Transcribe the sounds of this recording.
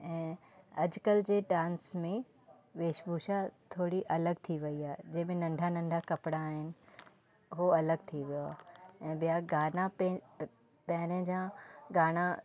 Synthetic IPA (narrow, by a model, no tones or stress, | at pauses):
ɛ̃ː | ɐd͡ʑkəld͡ʑeːɖãːnsmẽ | ʋeːʃbʱuːʃat̪ʰoːɽiʔɐləɡt̪ʰiʋɐiaːɦed͡ʑɐ̃ɦɪ̃mẽnɐ̃ɳɖʱanɐ̃ɳɖʱakɐpɽaːɦɪnɪ̆ | ɦoɐləɡ̚t̪ʰiʋijoa̰ːɛ̃ːbijaɡaːnã | pɐɦɪɾə̃d͡ʑãɡaːɽ̃ã